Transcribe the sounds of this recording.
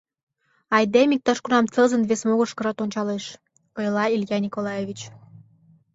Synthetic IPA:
ɑjd̪emik̚t̪ɑʃkunɑmt͡sɤzə̆nβesmoɣə̆ʃkɤɾɑt̪onʲt͡ɕɑleʃ | ɤjlɑiljɑnʲikolɑjevʲit͡ɕ

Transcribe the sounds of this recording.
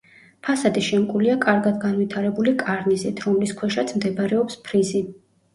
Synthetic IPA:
pʰasad̪iʃɛmkʼuliakʼaɾɡad̪ɡanvit̪ʰaɾɛbulikʼaɾnisit̪ʰɾɔmliskʰwɛʃat̪sʰmd̪ɛbɾɛɔpspʰɾizi

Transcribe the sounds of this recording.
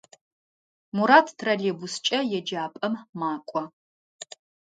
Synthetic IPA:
muɾaːtʰtʰrɐɮeːbust͡ʃʼɐjɛd͡ʒaːpʼɐmmaːkʷʼɔ

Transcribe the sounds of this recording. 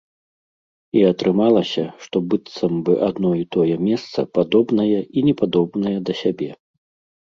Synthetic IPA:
iɐt̪ɾɨmalˠɐsʲɐʂt̪ɔbɨt̪sɐmbɨʔad̪nɔit̪ɔjɛmʲɛst̪sɐ̰pad̪ɔbnɐjɐʔinʲɛpad̪ɔbnɐjɛd̪ɐsʲabʲɛ

